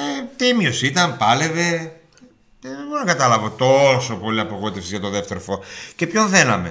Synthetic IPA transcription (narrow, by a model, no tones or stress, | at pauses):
et̪imiosit̪ɐmpɐle̞ve | eɣonɐkɐt̪ɐlɐvo̞t̪o̞so̞po̞liɐpo̞ɣo̞it̪esizʝɐt̪o̞ðe̞ft̪e̞ɾofoce̞pço̞nθe̞nɐme